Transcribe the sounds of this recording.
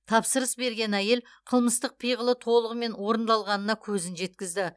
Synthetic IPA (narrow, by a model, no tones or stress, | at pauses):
t̪ʰɑpsəɾəsbe̞ɾɡʲe̞næje̞l | qʰəlˠməst̪əq̚pʰijʁəlˠət̪ʰo̞lˠəʁəme̞nwo̞ɾənd̪ɑlˠʁɑnənɑkʲʰɵzɪnʒe̞t̪kʲɪzd̪ɪ